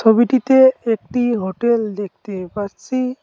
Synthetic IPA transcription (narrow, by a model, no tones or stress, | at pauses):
tʰobiʈit̪eek̚ʈiɦoʈeld̪ek̚ʰt̪epaɾsʰi